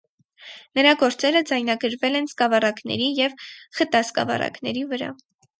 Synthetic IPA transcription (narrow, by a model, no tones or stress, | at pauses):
nəɾɑɡɔɾt͡sɛɾəd͡zɑjnɑɡəɾvɛlɛnskɑvɑrɑknɛ̰ɾijɛvχət̪ɑskɑ̰vɑ̰rɑ̰knɛɾivəɾɑ̰